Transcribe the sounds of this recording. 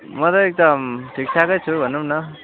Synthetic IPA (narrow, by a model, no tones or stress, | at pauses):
mʌt̪ʌek̚d̪ʌmʈʰiksʰakʌjt͡sʰubʱʌnːumnʌ